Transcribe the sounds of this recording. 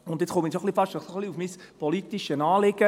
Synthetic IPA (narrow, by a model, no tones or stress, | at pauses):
ʊnd̪jet͡sχomisoχlifɑʃtnɔχsoχliufmispʰɔlitiʃənɑːlɪɡ̥ə